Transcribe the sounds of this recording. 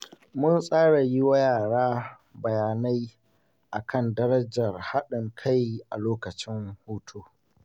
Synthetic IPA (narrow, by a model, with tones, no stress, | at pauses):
mʊ˦nsʼaː˦ɽa˨ji˦wɐ˦jaː˨ɽaː˦ | bɐ˨jaː˨na˦j | ʔa˨kʰɐ˦˨ndɐ˦ɾɐ˦d͡ʒɐ˨rha˦ɗɪ˨ŋkʰa˦jʔa̰˨loː˦kɐ˨t͡ʃɪ˦ŋhuː˦tʰoː˦